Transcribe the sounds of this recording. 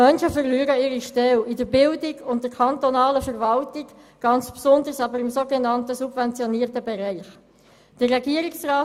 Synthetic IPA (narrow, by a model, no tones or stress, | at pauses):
œnʃəfəɾlyːɾəɪːɾiʃtɛlidəbɪldɪɡʊnt̚dəɾkʰɑntɔnɑːləfəʁvɑltɪɡ | ɡ̥ɑnt͡spsʊndəɾsɑbəɾɪmsoːɡɛnɑntəsubvɛnt͡sjɔniːəɾtəbɛɾæɪχ | d̥əːɛɡiəɾiksʁaː